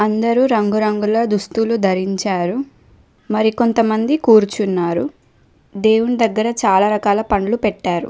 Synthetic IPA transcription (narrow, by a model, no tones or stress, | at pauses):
ɐnd̪ɐɾuɾɐŋɡuɾɐŋɡulɐd̪ust̪ulud̪ʱɐɾiɲt͡ʃaːɾu | mɐɾiko̞nt̪ɐmɐnd̪ikuːɾut͡ʃunːaːɾu | d̪eːwunid̪ɐɡːɐɾɐt͡ʃaːlaːɾɐkaːlɐpɐɳlupɛʈːaːɾṵ